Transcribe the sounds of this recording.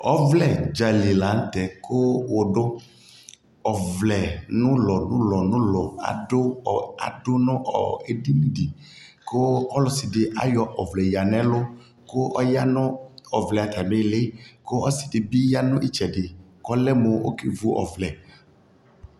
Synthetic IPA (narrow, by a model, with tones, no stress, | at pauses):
ɔ˦vlɛ˦˨d͡ʒa˨le˨la˨˦n̩˦tɛ˨kʰʊ˦wo˨dʊ˦ | ɔ˨vlɛ˨nʊ̃˦lɔ˨nʊ̃˦lɔ˨nʊ̃˦lɔ˨a̰˨dʊ˦ɔ˨a̰˨dʊ˦nʊ̃˦ʔɔ̰˨e˨di˦mĩ˦di˨ | ko˦ɔ˦lʊ˨sɪ˨dɪ˨ʔa̰˦jɔ˧ʔɔ˨vlɛ˨ja˨nɛ̃˦lʊ˦ | ko˦ʔɔ˦ja˦nʊ̃˦ɔ˨vlɛ˨a˨ta˨me˦lɪ˦ko˦ɔ˦sɪ̥˨dɪ˨bi˦ja˦nʊ̃˦ʔi˦t͡ʃɛ˨dɪ˨kɔ˦lɛ˦mo˨o̰˦ki˦vu˦ʔɔ̰˨vlɛ˨